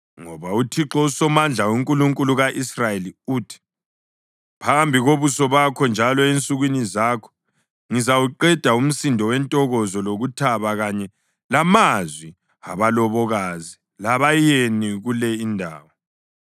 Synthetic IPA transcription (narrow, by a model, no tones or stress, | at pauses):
ŋɔβautʰiǁɔusɔmand͡ɮʱauŋkʼuluŋkʼuluɣaʔisrajeliuːtʰi̥ | pʰambʱiɣoβusɔβakʰɔnd͡ʒʱalɔent͡sʼuɣwinizakʰɔ̥ | ŋizawuǃɛd̥ʱaum̩sindʱɔwɛntʼɔɣɔzɔloɣutʰaβaɣaɲɛ | lamazwi | a̰βalɔβɔɣazi | laβajeniɣulɛindʱa̰ːwɔ